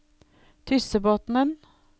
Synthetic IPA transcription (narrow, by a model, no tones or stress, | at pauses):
t̪ʰʏsəboːt̪n̩ən